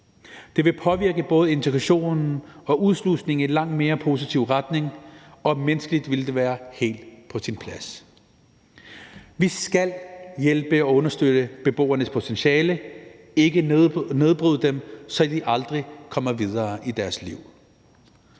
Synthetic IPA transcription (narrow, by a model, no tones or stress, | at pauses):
d̥e̝ʋe̝pʰɒ̽ʋiɐɡ̥əb̥ɔ̽ːð̞ˠe̝nt͡sʰeɡ̥ʁɑɕo̝̰ːnn̩ɒ̽ʔuð̞ˠslusne̝ŋ̩elɑ̈ŋ̰d̥me̝ːɐpʰo̝sit͡sʰiʊ̰ʁɑd̥ne̝ŋɒ̽mensɡ̥əlid̥ʋe̝ld̥e̝ʋæːɐhe̝̰ːld̥pʰɒ̽sinpʰlæs | ʋisɡ̥æl̰jelb̥əæɔ̽nɐsd̥ød̥əb̥e̝b̥o̝̰ːɐnəspʰo̝t͡sʰenɕɛːlə | e̝ɡ̥əne̝ð̞ˠb̥ʁyðˠd̥emsɒ̽d̥iʔɑ̈ld̥ʁikʰɒ̽mɐʋið̞ˠɐːʔid̥æɐsliʊ̰